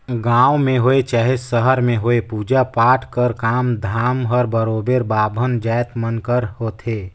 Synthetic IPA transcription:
ɡãːwmẽɦoːet͡ʃaːɦesəɦəɾmẽɦoːepuːd͡ʒapaːʈʰkəɾkaːmd̪ʱaːmɦəɾbəɾoːbeɾbaːbʱənd͡ʒaːjt̪mənkəɾhoːt̪ʰeː

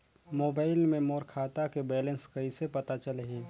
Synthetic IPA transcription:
moːbaːɪlmẽmɔːɾkʰaːt̪akebɛːlə̃nskɐisepɐt̪at͡ʃəlɦeː

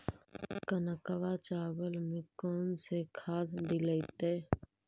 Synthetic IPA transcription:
kənəkəʋat͡ʃaːbəlmẽkɔːnsekʰaːd̪d̪iləɪt̪eː

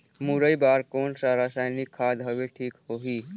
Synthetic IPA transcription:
muɾəjbaːɾkoːnsaɾasaːjnikʰːaːd̪ɦəʋeʈʰiːkhoɦiː

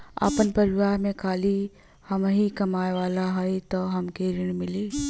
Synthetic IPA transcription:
a̰ːpənpɐɾɪʋaːɦmẽkʰaːli | hɐmɦikɐmaːeʋaːlaɦɛit̪oɦɐmkeːɾɪɽ̃mɪliː

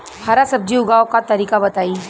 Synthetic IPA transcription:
haːɾasɐb̚d͡ʒiʊɡaːõkat̪ɐɾiːkabɐt̪aːiː

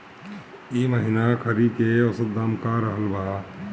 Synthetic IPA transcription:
iːməɦɪnakʰəɾikeɐsəd̪aːmkaɾəɦəlbaː

